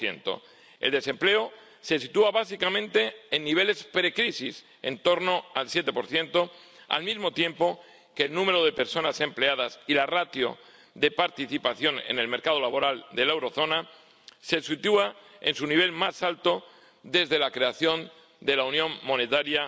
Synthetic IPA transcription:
θje̞̰nt̪o̞̰ | e̞̰ld̪e̞sẽ̞mple̞o | se̞sit̪uaβasikamẽ̞nt̪e̞ːnːiβ̞e̞le̞spɾe̞kɾisis | e̞nt̪o̞ɾnoalsje̞t̪e̞po̞ɾθje̞nt̪o̞ | a̰lmizmo̞t̪je̞mpo̞ | ke̞ːlnũme̞ɾo̞ðe̞pe̞ɾso̞nasẽ̞mple̞að̞asilarat̪jo̞̰ | d̪e̞paɾt̪iθipaθjo̞ne̞̰ne̞lme̞ɾkað̞o̞laβo̞ɾald̪e̞lae̞wɾoθo̞na | se̞sit̪uae̞nsuniβ̞e̞lmasalt̪o̞ | d̪e̞zðe̞lakɾe̞aθjo̞n | d̪e̞launjõ̞mmo̞ne̞t̪aɾja

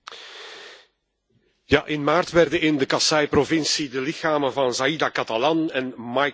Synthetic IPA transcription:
jaʔɪnmaːrtʋɛrdəɪndəkɑsɑjprovɪnsidəlɪxaːmənvɑnzaidakɑtalɑnɛnmɑj

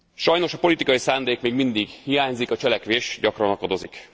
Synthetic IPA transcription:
ʃɒjno̞ʃɒpo̞lit̪ikɒjisaːnd̪eːkmeːɡmind̪iɡhijaːɲzikɒt͡ʃɛlɛkʋeːʃɟɒkrɒnɒkɒd̪o̞zik

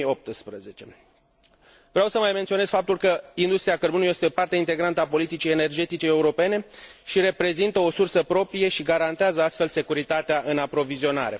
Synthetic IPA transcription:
o̞p̚t̪ɨspɾəze̞t͡ʃe̞̰ | vɾeawsəmajment̪sio̞ne̞sfap̚t̪ulkəind̪ust̪ɾijakərbunuje̞st̪epart̪eint̪e̞ɡɾant̪əapo̞lit̪it͡ʃijene̞rd͡ʒe̞t̪it͡ʃe̞e̞uɾo̞pe̞ne̞ʃiɾe̞pɾe̞zint̪əo̞sursəpɾo̞pɾije̞ʃiɡaɾant̪eazəast̪fe̞lse̞kuɾit̪at̪eaʔɨnapɾo̞vizio̞na̰ɾe̞

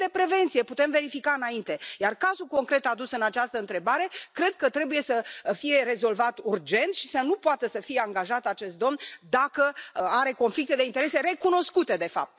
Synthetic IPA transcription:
d̪e̞pɾe̞ve̞nt̪sije̞put̪e̞mve̞ɾifikaɨnaint̪e̞jarkazuko̞ŋkɾe̞t̪ad̪usɨnat͡ʃast̪əɨnt̪ɾe̞baɾe̞kɾe̞d̪̚kət̪ɾe̞buje̞səfije̞ɾe̞zo̞lvat̪urd͡ʒe̞nt̪ʃisənupoat̪əsəfije̞aŋɡaʒat̪at͡ʃe̞st̪̚d̪o̞mnd̪akəaɾe̞ko̞nflikt̪e̞d̪e̞int̪eɾe̞se̞ɾe̞kuno̞skut̪e̞d̪e̞fa̰p̚t̪

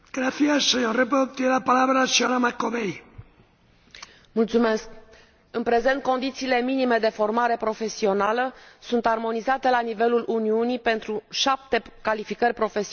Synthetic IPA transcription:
ɡ̥ɾaθiasːeɲorep̬ot̪jenelapalaβɾasionamakoβej | mult̪sume̞sk̚ | ɨnpɾe̞ze̞nt̪̚ko̞nd̪it̪siːle̞minime̞d̪e̞fo̞rmaɾe̞pɾo̞fe̞sio̞naləsunt̪armo̞nizat̪e̞lanive̞lulʔuniunipe̞nt̪ɾuʃap̚t̪e̞kalifikərʲpɾo̞fe̞si

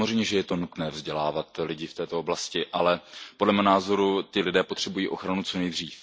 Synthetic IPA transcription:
mozrɛjmɲɛʒɛjɛt̪o̞nut̪nɛːvzɟɛlaːvat̪lɪɟɪft̪ɛːt̪ooblascɪʔalɛpodlɛmɛnaːzo̞ɾut̪ɪlɪdɛːpo̞t̪r̥ɛbujiːʔo̞xɾanut͡so̞nɛjd̪r̝iːf

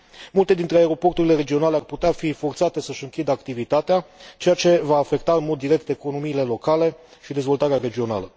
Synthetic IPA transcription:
mult̪e̞d̪int̪ɾeaeɾo̞po̞rt̪uɾile̞ɾe̞d͡ʒio̞nale̞arput̪eafifo̞rt̪sat̪e̞səʃɨŋkʲid̪əakt̪ivit̪at̪eat͡ʃe̞jat͡ʃe̞vaːfe̞kt̪aɨnmo̞d̪ːiɾe̞k̚t̪e̞ko̞no̞miːle̞lo̞kale̞ | ʃid̪e̞zvo̞lt̪aɾeaɾe̞d͡ʒio̞na̰lə

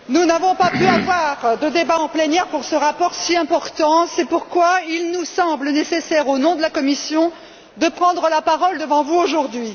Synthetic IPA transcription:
nunavɔ̃papyavwaʁd̪əd̪ebaɑ̃plɛnjɛʁpuʁsəʁapɔʁsiɛ̃pɔʁt̪ɑ̃sɛpuʁkwailnusɑ̃blənesesɛʁonɔ̃d̪əlakɔmisjɔ̃ | d̪əpχɑ̃d̪ʁəlapaʁɔld̪əvɑ̃vuoʒuʁd̪ɥi

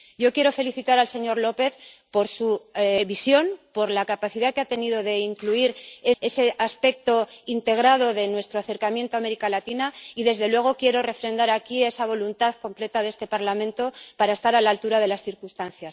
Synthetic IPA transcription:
ɟ͡ʝo̞kje̞ɾo̞fe̞liθit̪aɾalse̞ɲo̞ɾlo̞pe̞θpo̞ɾsuβisjo̞npo̞ɾlakapaθiðakeat̪e̞niðo̞ðe̞iŋkluiɾe̞e̞se̞ʔaspe̞k̚t̪o̞int̪e̞ɣ̞ɾað̞o̞ðe̞nwe̞st̪ɾoaθe̞ɾkamjent̪oame̞ɾikalat̪inaiðe̞zðe̞lwe̞ɣ̞o̞kje̞ɾo̞re̞fɾe̞nd̪aɾakie̞saβ̞o̞lunt̪aðko̞mple̞t̪aðe̞st̪e̞paɾlamẽnt̪o̞paɾae̞st̪aɾalalt̪uɾað̞e̞lasθiɾkust̪anθjas

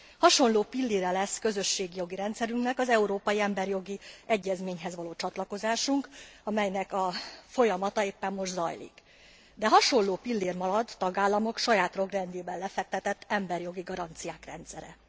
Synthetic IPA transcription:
hɒʃo̞nloːpilːeːɾɛlɛskø̞zø̞ʃːeːɡijo̞ɡiɾɛnt̪sɛɾyŋknɛkɒzɛuɾoːpɒjiɛmbɛrjo̞ɡiɛɟːɛzmeːɲɦɛzʋɒloːt͡ʃɒt̪lɒko̞zaːʃuŋkɒmɛjnɛkɒfo̞jɒmɒt̪ɒeːpːɛmːo̞ʒd̪zɒ̰jlḭk | d̪ɛɦɒʃo̞nloːpilːeːrmɒɾɒd̪ːɒɡaːlːɒmo̞kʃɒjaːt̪ro̞ɡrɛnd̪eːbɛllɛfɛk̚t̪ɛt̪ɛt̪ːɛmbɛrjo̞ɡiɡɒɾɒnt̪sijaːkrɛ̰nt̪sɛɾɛ̰

